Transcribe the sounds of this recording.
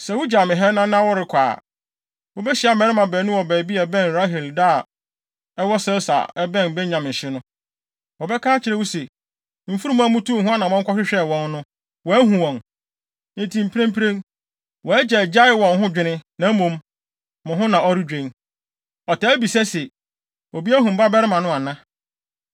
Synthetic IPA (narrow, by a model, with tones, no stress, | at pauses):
sɛ˨wʊ˦d͡ʑa˨mɪ̃˨ɦɛ˦nã˦nã˦wɔ˦ɾɪ˨kʰʷa̰ː˨ | wo˦bɛ˦ɕɪ˨˦a˦mɛ̃˨˦ɾɪ˦mã˨bɛː˨˦nʊ̃˦wɔ˨bɛ˨bi˦ɛ˨bɛ̃˦˨n˨ɾa˦ɦɪ˨lda˦˨ | ɛ˦wɔ˦sɛ˦lsa̰˨ɛ˦bɛ̃˦n˨bɛ˦ɲã˨m̩˨ɕɪ˦nʊ̃˦ | wɔ˨bɛ˦kʰaː˦t͡ɕʰɪ˨ɾɛ˦wʊ˦se˨ | m̩˨fu˦ɾũ˦m̃˦a˦mʊ̃˦tʰu˦˨ɦʊ̃˦a˦nã˨ɔ̃˦ŋ̩˦kʰʷɔ˦ɕᶣɪ˦ɕᶣɛ˦˨wɔ̃˦nːʊ̃˦ | wɔ˨æ˦ɦũ˨wɔ̃˨n | nɪ̃˦ntʰi˨m̩˨pʰi˦ɾẽ˦m˦pʰi˦ɾẽ˦ŋ | wɔ˨æ˦d͡ʑɛ˨d͡ʑa˦ɪ˨wɔ̃˨nɦʊ̃˦d͡ʑᶣɪ˨nɪ̃˦nã˨m̩˦mõ˨m | mʊ̃˨ɦʊ̃˦nã˨ɔ˦ɾi˦d͡ʑᶣẽ˨n | ɔ˨tʰa˨˦bi˨sɛ˦sɛ˨ | o˨bi˦æ˦ɦũ˨m˨ba˦bɛ˦ɾɪ˦mã˨nʊ̃˦a˨nã˦